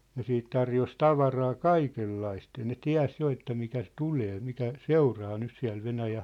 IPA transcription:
ne siːt tɑrjos tɑʋɑrɑː kɑikelːɑist jɑ ne tiæ̝s jo etːæ mitæ s tuleː mitæ seurɑː nys siæ̝l ʋenæjæh̆

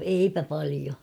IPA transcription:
eipæ pɑlio

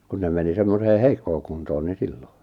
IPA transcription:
kun ne meni semmoseː heikːoː kuntoːn ni silːo

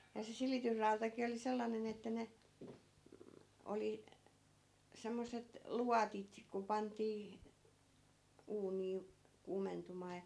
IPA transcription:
jɑ se silitysrɑutɑki oli selːɑnen etːæ ne m̩ oli semːosˑet luɑtit ku pɑntˑiː uːniː kuːmentumˑɑː jɑ

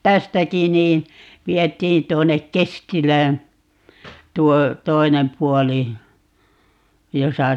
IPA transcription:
tæstæki niː ʋietˑiːn tuonːek kestilæːn tuo toinem puɔli josɑ

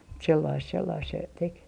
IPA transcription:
mut selːɑist selːɑist se tek

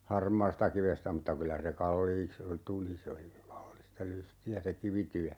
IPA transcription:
hɑrmɑːstɑkiʋestæ mutːɑ kylæ se kɑlːiːks tuli se oli kɑlːistɑ lystiæ se kiʋityæ

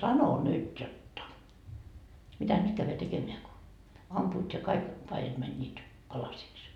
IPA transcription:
sɑno nyt jotːɑ mitæ nyt kæyʋæ tekemeæ ko ɑmpuːt jɑ kɑik pɑijɑt mænʲːiːt pɑlɑsiks

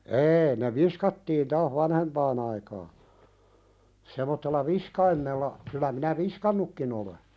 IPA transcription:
eːi ne ʋiskɑtːiːn tɑːh ʋɑnhempɑːn ɑikɑː semotːelːɑ ʋiskɑimːelːɑ kylæ minæ ʋiskɑnːukːin ole

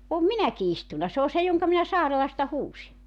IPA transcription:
om minæki istunɑ se o se joŋkɑ minæ sɑːrelɑstɑ huːsi

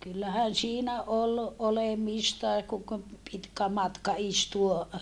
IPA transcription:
kylːæhæn siːnæ ol olemistɑe kuŋ k pitkæ mɑtkɑ istuo

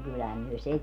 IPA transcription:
kylːæhæm myø se

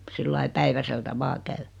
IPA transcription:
silːɑi pæiʋæseltæ ʋɑː kæy

